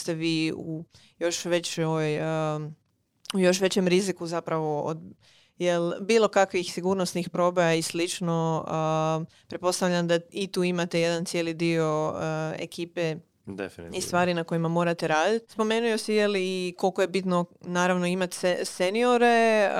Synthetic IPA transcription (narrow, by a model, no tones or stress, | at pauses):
st̪e̞ʋiːu | jo̞ʃʋe̞t͡ɕoʋoj | ujo̞ʃ̬ʋe̞t͡ɕe̞mɾizikuzapɾaʋo̞o̰d̪ | jelbiːlˠo̞kakʋixsiɡuɾnosnixpɾo̞ːbejaislit͡ʃno | pɾet̪po̞st̪aʋʎʲand̪ait̪uːimat̪e̞jed̪ant̪sjeːlid̪io̞ḛkiːpe̞ | d̪efist̪ʋaːɾinako̞jimamo̞ːɾat̪eɾaːd̪it̪spo̞me̞nujosijeliko̞lˠkojebit̪nonaːɾaʋno̞imat̪ssenio̞ɾe̞